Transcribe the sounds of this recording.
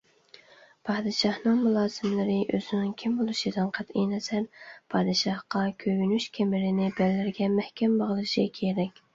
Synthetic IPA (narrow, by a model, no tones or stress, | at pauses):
pʰɑːd̪ɨʃɑhnɨŋmulˠɑːsɨmlɪɾɪʔøzɪnɪŋkʲʰimbolˠɨʃid̪ɨnqʰæt̪ijnɛzæɾpʰɑːd̪ɨʃɑhqɑkʲʰøɡynyʃkʲʰemɪɾɪnɪbɛlːɪɾɡʲɛmɛhkʲʰɛmbɑʁlˠʃikʲʰeɾɛkʲ